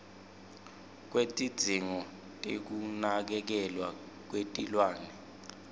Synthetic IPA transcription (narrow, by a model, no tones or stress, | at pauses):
k̬wetʼid̥d͡z̥ʱiŋɔ | tʼek̬unak̬ɛk̬ɛlwa | k̬wetʼilwaːnɛ